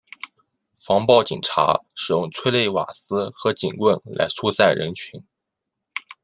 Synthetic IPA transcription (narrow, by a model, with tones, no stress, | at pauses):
fɑ˧˥ŋpɑ˥˩ʊt͡ɕḭ˨˩ŋʈ͡ʂʰa̰˧˥ʂɻ̩˨˩jʊ˥˧ŋt͡sʰwe˥ɪle˥˩ɪwa̰˨˩sɹ̩˥xɤ˧˥t͡ɕḭ˨˩nkwə˥˩nla̰˧˥ɪt͡sʰu˥sa˥˩ɪɻə̰˧˥nt͡ɕʰy˧˥n